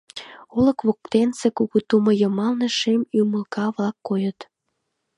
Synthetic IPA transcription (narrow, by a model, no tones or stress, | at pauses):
oləkβok̚t̪ensekuɣut̪uməjəmɑlneʃemyməlkɑβlɑkːojət̪